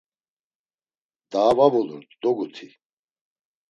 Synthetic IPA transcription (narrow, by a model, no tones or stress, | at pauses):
d̪aːvavɔluɾd̪ɔɡut̪ʰi